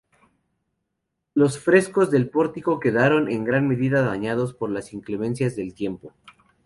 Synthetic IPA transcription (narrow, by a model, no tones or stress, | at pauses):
lo̞sfɾe̞sko̞zðe̞lpo̞ɾt̪iko̞ke̞ðaɾo̞nʔe̞ŋɡɾanme̞ðiðaðaɲað̞o̞spo̞ɾlasiŋklemẽ̞nsjazðe̞lt̪je̞mpo̞